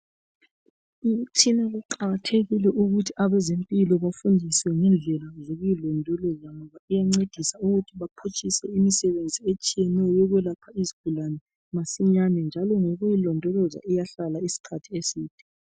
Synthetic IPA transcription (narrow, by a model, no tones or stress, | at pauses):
itʰinaɣuǃaɣatʰeɣilɛʔuɣutʰiaβɛzempʼilɔβafundʱiswɛŋɛnd͡ɮʱɛlazoɣujilɔndʱɔlɔzaŋɔβaijaŋ͡ǀed̥ʱisauɣutʰiβapʰut͡ʃʼisɛimisɛβend͡zʱiet͡ʃʼijɛnɛjɔjɔɣwɛlapʰaiziɡ̥ʱulanɛ | masiɲanɛnd͡ʒʱalɔŋoɣujilɔndʱɔlɔza̰ijaɬalaisi̥kʰatʰiesiːd̥ʱɛ̥